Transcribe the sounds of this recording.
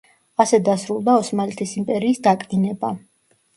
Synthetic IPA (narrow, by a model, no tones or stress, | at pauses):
asɛd̪asɾulˠd̪aɔsmalit̪ʰisimpʼɛɾiːsd̪akʼinɛba